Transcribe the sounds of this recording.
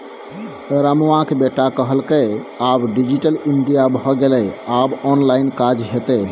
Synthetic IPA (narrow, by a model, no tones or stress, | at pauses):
ɾamʋãkebeʈakəɦəlkəabɖid͡ʒiʈəliɳɖijabʱɔɡelɛabɔnlainkad͡ʒɦet̪ɛ